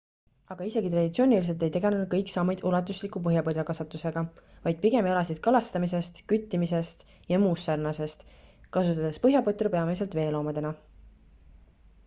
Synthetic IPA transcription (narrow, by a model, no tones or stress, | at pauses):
ɑɡ̥ɑise̞ɡ̥it̪rɑd̪ʲit̪sio̞ːnʲilis̬e̞lt̪e̞jt̪e̞ɡe̞nenud̪̚kɤjksɑmːɑjd̪̥ulɑt̪ːˑuslikːˑupɤɦjɑpɤd̪ɑkɑsɑt̪ːˑuse̞ɡ̥ɑvɑjd̪̥̚piɡe̞melɑsid̪̥kɑlɑst̪ɑmis̬e̞st̪kyt̪ːimise̞st̪ | jɑmuːsːɑrnɑse̞st̪kɑsut̪ːˑɑd̪̥espɤɦjɑpɤt̪ːˑrupe̞ɑmes̬e̞lt̪ve̞ːlo̞ːmɑd̪e̞nɑ